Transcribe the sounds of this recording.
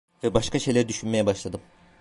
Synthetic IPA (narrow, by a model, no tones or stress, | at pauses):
vɛbaʃkaʃe̞jlʲæɾid̪yʃynmejɛbaʃlˠad̪ɯm